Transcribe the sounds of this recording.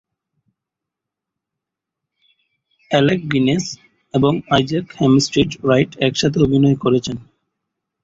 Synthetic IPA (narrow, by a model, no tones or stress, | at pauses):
ɛlek̚ɡines | eboŋajd͡ʑekhemsʈɾiʈɾajʈɛkʃat̪ʰeobʱinɔekoɾet͡ɕʰen